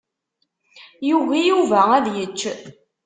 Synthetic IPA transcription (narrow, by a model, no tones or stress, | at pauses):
juɣijuvææðjət͡ʃː